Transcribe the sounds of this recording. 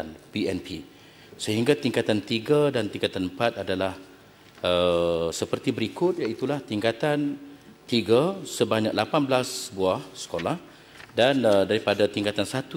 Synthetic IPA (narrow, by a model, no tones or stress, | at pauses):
anpiɛnpi | səɦiŋɡat̪iŋkat̪ant̪iɡadant̪iŋkat̪anmpat̪adalah | əsəpərt̪ibəɾikʊt̪̚jait̪ulaht̪iŋkat̪an | t̪iɡasəbaɲa̰k̚lapanblasbuahsə̥kolah | danədaɾipadat̪iŋkat̪ansat̪u